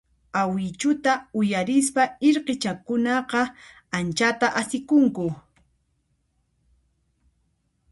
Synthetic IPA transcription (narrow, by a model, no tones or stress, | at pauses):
awɪt͡ʃʊt̪aʊjaɾɪs̬paɪɾqet͡ʃakʊnɑqɑ | ant͡ʃat̪aʔasɪkʊŋkʊ